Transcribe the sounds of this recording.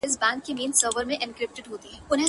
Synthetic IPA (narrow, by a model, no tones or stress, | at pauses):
ɪs̬bãːŋɡkemiːnsəɾʋəɾmẽʔɪ̃nkɾɪp̚ʈɪɖɦoːt̪iɦɛːʊnɦẽ